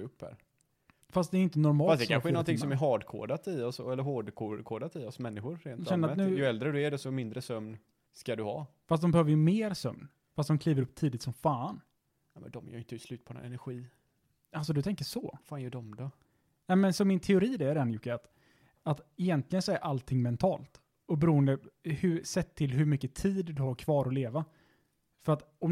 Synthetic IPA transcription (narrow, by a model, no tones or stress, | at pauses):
ɵpːhæ̰ːɾ | fast̪̚d̪ɛɾɪnt̪ənɔɾmɑːfastd̪ɛanɧəɛɾnɔnt̪ʰɪŋssɔmæɾɦɑːɖkʰo̰ːɖat̪ɪɔsɔɛlːəɾɦoːɖkʰokʰoːɖat̪ɪɔsmɛnːɪɧʊɾɾeːnɛnəɾat̪ʉːjɵɛld̪ɾəd̪ɵæɖɛsɔmɪnd̪ɾəsœmn | skad̪ɵhɑ̰ː | fast̪d̪ɔmbɛhøːvəjɵmeːɾsœ̰mn | fast̪̚d̪ɔmkʰliːvəɾɵpːt̪ʰiːd̪ɪt̪sɔmfaːn | ɛmɛ̰nd̪ɔmjœ̰ɾʏnt̪əslʉ̟ːt̪̚pʰɔ̰ɛ̰næɾɧiː | als̬ɔd̪ɵt̪ʰɛŋkəʂɔfaːnjœɖɔmd̪ɔ | nɛmɛnsɔmːɪnt̪ʰɛʊɾiːd̪ɛæɖɛnjʊkːaat̪ | at̪ɛjɛnt̪lɪɡənsɔæɾʔalt̪ʰɪŋːmɛnt̪ʰɑːlt̪ | ɔbɛɾuːənd̪əhɵsɛt̪ʰːɪlɦɵmʏkːət̪ʰiːd̪d̪ɵhaɾkʰv̥ɑːɾɔleːva | fœɾat̪ɔm